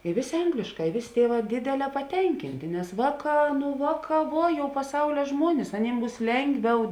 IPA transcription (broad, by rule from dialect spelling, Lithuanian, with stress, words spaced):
ɪ ˈʋʲeːˌsʲeː ˈɐŋɡlʲeːʃˌkɑː ɪ ˈʋʲeːˌsʲeː ˈtʲiɛˌʋɑː ˈdʲeːdʲɛˌlʲɛː pɐˈtʲɛŋʲkʲɪnʲtʲeː nʲɛs ˈʋɑːˌkɑː nʊ ˈʋɑːˌkɑː ˈʋuɔ jɛʊ pɐˈsɐʊlʲɛ ˈʒmuɔnʲɪs ɐˈnʲiːm ˈbuːs ˈlʲɛŋɡˌʋʲɛʊ